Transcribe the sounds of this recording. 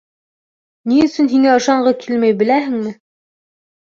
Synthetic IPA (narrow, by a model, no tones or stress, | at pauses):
niɵ̆sɵnɦiŋæɤ̆ʃɑɴɢɤkʰilmæjbɘ̆læɦɘ̆ŋmɘ